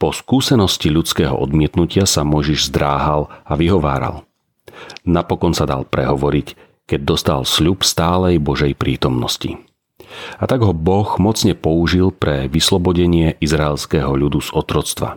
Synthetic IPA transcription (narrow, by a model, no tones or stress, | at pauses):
pɔskuːsɛnɔsciʎut͡skɛːɦɔ̰ʔɔd̪mɪɛt̪nucɪasamɔjʒiʒzd̪ɾaːɦalaʋiɦɔʋaːɾa̰l | napɔkɔnsad̪a̰lpɾɛ̰ɦɔʋɔɾic | kɛɟ̚d̪ɔst̪a̰lsʎupst̪aːlɛjbɔʒɛjpɾiːt̪ɔmnɔscḭ | at̪aɡɦɔbɔɣmɔt͡sɲɛpɔuʒilpɾɛʋislɔbɔɟɛɲɪɛʔizɾaɛlskɛːɦɔʎud̪uzɔt̪ɾɔt͡st̪ʋa̰